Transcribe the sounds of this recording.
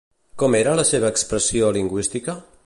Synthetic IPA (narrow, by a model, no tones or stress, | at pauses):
kɔmeɾələseβ̞əːkspɾəsioliŋɡwist̪ikə